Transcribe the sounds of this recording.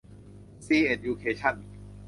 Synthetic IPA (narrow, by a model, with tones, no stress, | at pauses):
siː˧ʔe˨˩t̪̚juː˧kʰeː˧t͡ɕʰa˥˩n